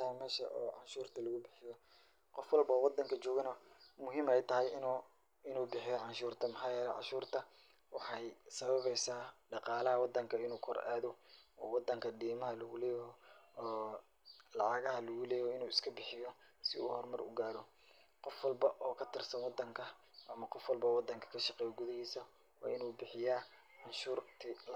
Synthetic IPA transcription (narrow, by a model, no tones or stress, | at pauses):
ɐmɛːʃɐ̰ʔɔ̰ːʕɑnʃuːrt̪ʰɐlɐɣʊbɪħɪjɔ | qɔfwɑlbɐːwɑd̪ːɐŋkʰɐt͡ʃɔːɣɐnɐmʊɦiːmɛjt̪ʰɐɦɛjɪnː | ɪnuːbɪħɪjɔʕɑnʃuːrt̪ʰɐmɪħɑːjɛːlɛʕɑ̰ʃuːrt̪ʰɐ | wɑħɑjsɐβɐβɛjsaːɖɑqɑːlɐɦɐwɑd̪ːɐŋkʰɐɪnuːkʰɔra̰ːðɔɔːwɑd̪ɐŋkʰɐɖiːmɐɦɐlɐɣʊlɛːjː | lɑʕɑɣɐɦɐlɐɣʊlɛːjɔɪnuːɪskʰɐbɪħɪjɔsɪṵhɔrmɐrʊ̰ɡaːɾɔ | qɔfwɑlbɐʔɔːkʰɐt̪ʰɪrsɐnwɑd̪ɐŋkʰɐʔɐmɐqɔfwɑlbɐwɑd̪ɐŋkʰɐ̥kʰɐʃɑqɛːjɔɡʊðɪhiːsɐ | wɑ̰ːɪnuːbɪħɪjaː | ʕɑnʃuːrt̪ʰɪ